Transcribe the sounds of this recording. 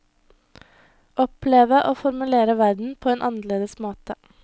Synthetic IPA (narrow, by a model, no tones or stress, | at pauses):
ʔɔpleːʋəʔoːfɔɾmʉleːɾəʋæɾd̪n̩pʰoːeːnʔɑnəɭeːd̪əsmoːt̪ə